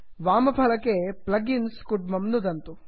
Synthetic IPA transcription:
ʋaːmɐpʰɐlɐkeːplɐɡinskuɖ̚mɐmnud̪ɐnt̪u

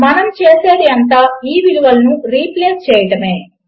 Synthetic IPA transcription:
mɐnɐmt͡ʃeːseːɽiɐnt̪aːiːʋiluʋɐlɐnuɾiːpleːst͡ʃɛːjɐʈɐme̞ː

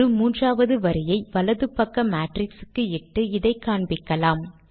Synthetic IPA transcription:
ɯmuːndraːʋɐðɯʋɐɾɪjɐɪʋɐlɐðɯpːɐkːɐmaːʈrɪksɯ̥kːɯɪʈːɯɪðɐɪkːaːɳbɪkːɐlaːm

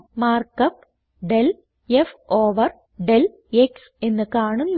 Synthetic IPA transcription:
maːrkɐpː | ɖel | efoːʋɐr | ɖel | eks | e̞nːɨkaːɳum

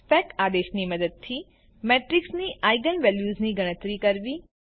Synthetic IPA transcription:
fɛkad̪eʃniməd̪əd̪̚t̪ʰi | meʈɾiksniʔaiɡənʋɛljuzniɡəɽ̃ət̪ɾikəɾʋi

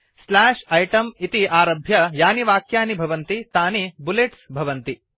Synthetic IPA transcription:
slaːʂɐjʈɐmit̪iʔaːɾɐbʱjɐjaːniʋaːkjaːnibʱɐʋɐnt̪it̪aːnibuleʈsbʱɐʋɐnt̪i

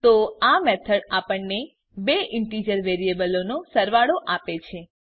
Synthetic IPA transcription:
t̪oamɛt̪ʰəɽapəɳne | beɪɳʈid͡ʒəɾʋeɾiebəlonosəɾʋaɽoʔapet͡ʃʰe

